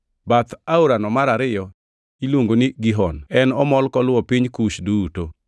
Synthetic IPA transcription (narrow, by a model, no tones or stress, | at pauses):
bat̪auɾanɔmaɾaɾɪjɔ | ilwoŋɡoniɡiɦɔnɛnɔmɔlkɔlwɔpiɲkuʃduto